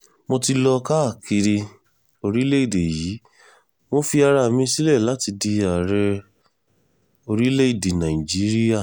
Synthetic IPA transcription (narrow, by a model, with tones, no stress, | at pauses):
mõ˧ti˧lɔ˧ka˦˨kʰi˧ɾi˧ | o˧ɾi˦le˦i˦˨de˨jiː˨˦ | mo˦fi˧a˧ɾa˧˨mĩ˧si˦lɛ˦˨la˨˦ti˧di˧a˨ɾɛ˧ | o˧ɾi˦le˦i˦˨de˨nã˨i˨d͡ʒi˦ɾi˦ja˦˨